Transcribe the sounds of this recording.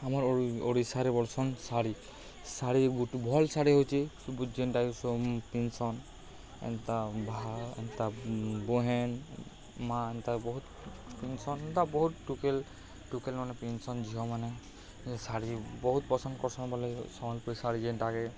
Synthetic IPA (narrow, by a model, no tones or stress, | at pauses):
amaɹoɹisaɾibɔlsɔnsaɾi | saɾiɡutbʱɔlsaɾiɦojt͡ʃʰisubud͡ʒenʈakisɔpinsɔn | ɛ̰nt̪abʱaɛ̰nt̪abɔɦɛn | maɛnt̪abɔɦut̪ | pinsɔnɛnt̪abɔɦut̪̚ːukel | ʈukelmanɛpinsɔnd͡ʒiɦɔmanɛ | saɾibɔɦut̪̚pɔsʰɔnkɔɹsɔnabalesɔmalpɔisaɾid͡ʒentakɛ